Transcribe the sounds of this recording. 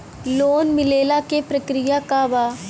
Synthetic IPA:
loːnmɪleːlakepɾɐkɾɪjakabaː

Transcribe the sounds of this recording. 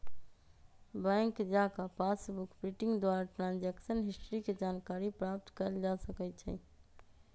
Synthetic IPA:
bɛ̃ŋkd͡ʒakapʰasbukpɾiʈɪ̃ŋɡd̪waɾaʈɾãnd͡ʒɛksənɦisʈɾiked͡ʒankaɾipɾap̚t̪kəɾd͡ʒasəkɛt͡ʃʰɛ̰

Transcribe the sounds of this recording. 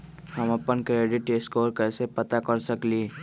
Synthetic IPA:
həməpənkɾeːɖɪʈeskoːɾkɛːsepət̪akəɾsəkli

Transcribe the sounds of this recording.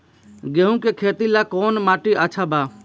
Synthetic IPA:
ɡeɦũkekʰet̪ilakɔːnmaʈiʔət͡ʃʰaba

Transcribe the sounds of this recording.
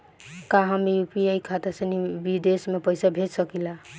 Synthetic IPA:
kaɦəmijupiejkʰat̪esenibid̪esmepəjsabʱed͡ʒsəkila

